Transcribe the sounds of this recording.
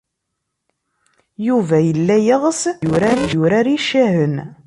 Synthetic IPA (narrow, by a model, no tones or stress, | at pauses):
juvæjəlːæjəʁsʊɾænjʊɾæɾiʃæɦən